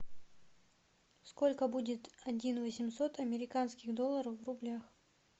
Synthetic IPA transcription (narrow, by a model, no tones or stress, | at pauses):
sko̞lʲkəbudʲɪt̪ɐdʲinvəsʲɪmso̞t̪ɐmʲɪɾʲɪkanskʲɪɣd̪o̞lˠːəɾəfvrʊblʲax